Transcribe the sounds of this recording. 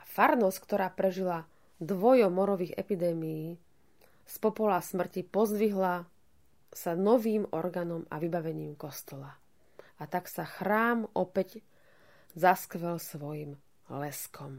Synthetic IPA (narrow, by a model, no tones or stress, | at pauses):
afaɾnɔskt̪ɔɾaːpɾɛʒila | d̪ʋɔjɔmɔɾɔʋiːɣɛ̰pid̪ɛːmijiː | spɔpɔlasmr̩cipɔzd̪ʋiɦla | sanɔʋiːmɔ̰ɾɡaːnɔma̰ʋibaʋɛɲiːmkɔst̪ɔla | at̪aksaxɾaːmɔpɛɟ | zaskʋɛlsʋɔjim | lɛskʰɔm